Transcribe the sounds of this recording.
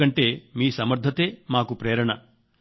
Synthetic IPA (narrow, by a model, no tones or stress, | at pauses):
ɐɳʈe̞ːmiːsɐmɐɾd̪ʱɐt̪e̞ːmaːkupɾeːɾɐɳɐ